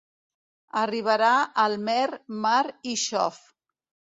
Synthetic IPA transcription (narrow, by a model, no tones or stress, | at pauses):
əriβ̞əɾaəlˠmɛɾmaɾiʃɔ̰f